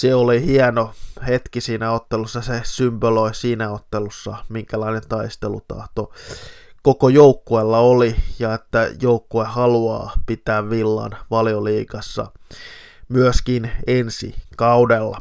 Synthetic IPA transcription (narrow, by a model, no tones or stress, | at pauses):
seolihiɛnohet̪kisiːnæot̪ːelusːɑsesympøloisiːnæot̪ːelusːɑmiŋkælɑinent̪ɑist̪elṵt̪ɑ̰ht̪o | kokojoukːuelːɑolijɑet̪ːæjoukːuehɑluɑ̰ːpit̪æːʋʋilːɑ̰nʋɑlioliːkɑsːɑ̰ | myøskinensḭkɑudelːɑ̰